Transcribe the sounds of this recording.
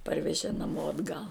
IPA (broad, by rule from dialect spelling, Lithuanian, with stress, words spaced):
ˈpɐrʲʋʲɛʒʲeː nɐˈmoː ɐdˈɡɐlˠ